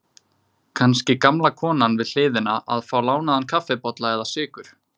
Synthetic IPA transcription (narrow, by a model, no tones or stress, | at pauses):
kʰanscɪkamlakʰɔːnanvɪðl̥ɪːðɪnaʔa̰ðfaːwlaːwnaðankʰafɛpɔt̪laɛðasɪːkʏɾ̥